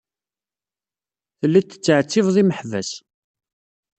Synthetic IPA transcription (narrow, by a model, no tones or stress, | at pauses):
θəlːit̪ːə̥t͡sːəʕt͡sːɪvðˤiməħvæs